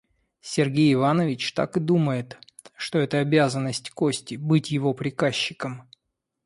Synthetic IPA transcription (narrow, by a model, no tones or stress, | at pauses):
sʲɪrɡʲejɪvanəvʲɪt͡ɕt̪a̰kɨd̪uməjɪt̪ | ʂt̪oɛt̪əɐbʲazənːəsʲtʲkosʲtʲɪbɨtʲjɪvo̞pɾʲɪkaɕːɪkəm